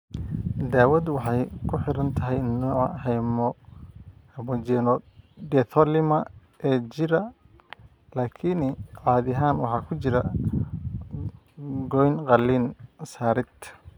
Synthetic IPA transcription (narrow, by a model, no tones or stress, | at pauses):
d̪aːwɐd̪wɑħɑjkʰʊħɪɾɐnt̪ʰɐɦɛjnɔːʕɑ̰hɛjmɔ | hɛmɔd͡ʒɛːnɔd̪ɛθʰɔlɪmɐ | ʔɛːt͡ʃɪɾɐ | laːkʰɪnʕɑːðɪɦaːnwɑħɑːkʰʊt͡ʃɪɾɐ | ɡɔjnqɑlːiːnsaːɾɪt̪